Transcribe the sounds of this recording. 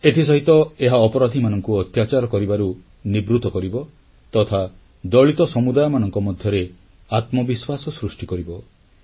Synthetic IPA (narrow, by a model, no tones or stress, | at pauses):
et̪ʰis̬ɔɦit̪ɔeɦaɔpɔɾad̪ʱimanɔŋkuɔt̪jat͡ʃaɾɔkɔɾibaɾu | nibɾut̪ɔkɔɾibɔ | t̪ɔt̪ʰa | d̪ɔɭit̪ɔsɔmud̪ajɔmanɔŋkɔmɔd̪ʱjɔɾe | at̪mɔbiswasɔsɾusʈikɔɾibɔ